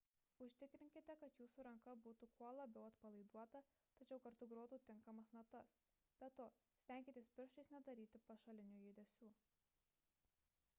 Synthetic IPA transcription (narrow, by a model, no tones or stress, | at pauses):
ʊʃʲt̪ʲɪkɾʲɪŋʲkʲɪt̪ʲɛkɐt̪juːsuːɾɐŋkɐbuːt̪ukuɔlˠɐbʲɛʊɐt̪pɐlˠɐɪd̪uɔt̪ɐ | t̪ɐt͡ʃʲɛʊkɐɾt̪ʊɡɾoːt̪uːt̪ʲɪŋkɐmɐsnɐt̪ɐs | b̥ʲɛt̪oː | sʲt̪ʲɛˑŋʲkʲɪt̪ʲeːspʲɪɾʃt͡ʃɐɪsnʲɛd̪ɐɾʲiːt̪ʲɪpɐʃɐlʲɪnʲuːjɪːd̪ʲɛsʲuː